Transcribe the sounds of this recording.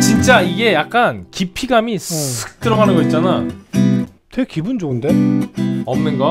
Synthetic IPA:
t͡ɕint͡ɕ͈aiɡe̞jak̚k͈ankipʰiɡamissʰɯ̥k̚t͈ɯɾʌɡanɯnɡʌit̚t͡ɕ͈ana | tʰekibund͡ʑoɡɯnde | ʌmnɯnɡʌ

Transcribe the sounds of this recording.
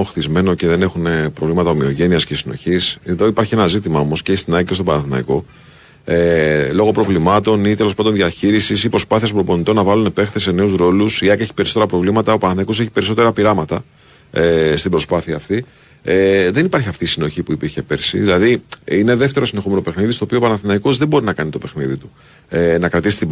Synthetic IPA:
oxθizme̞no̞ce̞ðe̞ne̞xunepɾovlimɐt̪ɐomio̞ʝe̞niɐscesino̞̰çiseðo̞ipɐɾçienɐzit̪imɐo̞mo̞scest̪inɐst̪opɐnɐθinɐ̰iko̞ | elo̞ɣo̞pɾo̞vlimɐt̪o̞nit̪e̞lo̞spand̪o̞nðiɐçiɾisisipɾo̞spɐθies̬bɾoponit̪o̞nːɐvɐlune̞pe̞xt̪e̞se̞ne̞uzɾo̞lusiɐkeçi̥pe̞ɾiso̞t̪e̞ɾɐpɾo̞vlimɐt̪ɐopɐnɐθinɐiko̞se̞çi̥pe̞ɾiso̞t̪e̞ɾɐpiɾɐmɐt̪ɐ | est̪ibɾo̞spɐθiɐːft̪i | eðe̞nipɐɾçiɐft̪iːsino̞çipuipiɾçe̞pe̞ɾsḭðilɐðiineðe̞ft̪e̞ɾoine̞xo̞me̞nope̞xniðist̪o̞ːpiopɐnɐθinɐiko̞zðebo̞ɾinɐkɐnit̪o̞pe̞xniðit̪u | enɐkɾɐt̪isi̥st̪i

